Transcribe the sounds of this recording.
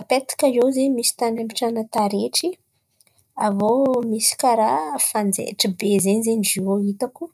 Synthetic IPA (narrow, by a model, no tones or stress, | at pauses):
apet̪ḁkʲajozemisi̥t̪anambiʈ͡ʂanət̪aɾeʈ͡ʂi | avomisi̥kaɾafand͡zḛʈ͡ʂəbezenizenid͡ʒioit̪aku